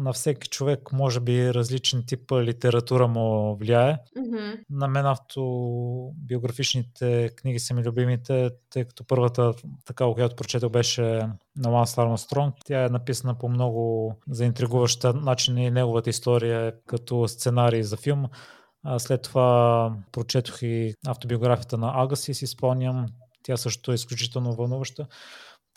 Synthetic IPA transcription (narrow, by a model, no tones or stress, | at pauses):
nɐfsɛki̥t͡ʃovɛkmɔʒɛbiɾɐzlit͡ʃɛnt̪ipəlit̪ɛɾɐt̪uɾəmovliaɛ | nɐmɛnaft̪ʰo | bioɡɾɐfit͡ʃnit̪ʰɛkniɡ̟isɐmilʲubimit̪ɛt̪ɤjkɐ̥t̪ɔpɤɾvət̪ət̪ɐkaokojat̪o̥pɾot͡ʃɛt̪əwbɛʃɛnɐwansaɾmɐst̪ɾɔŋkt̪ʲaɛnɐpisənəpomnɔɡʊzɐint̪ɾiɡuvəʃt̪ənat͡ʃinəinɛɡovət̪əist̪ɔɾijəkɐt̪ɔst̪sɛnaɾiːzɐfilˠm | slɛt̪ːovapɾot͡ʃɛt̪o̥xiaft̪obioɡɾafijət̪ənɐʔaɡəsisːspalˠniəm | t̪ʲjasɤʃt̪ot̪oɛisklʲut͡ʃit̪ɛlˠnovɐlˠnuvəʃt̪ə